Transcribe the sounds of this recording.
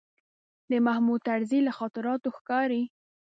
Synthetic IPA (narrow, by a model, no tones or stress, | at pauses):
d̪əmahmud̪̚t̪aɽzilaxɑt̪ɪɾɑt̪oxkɑɾi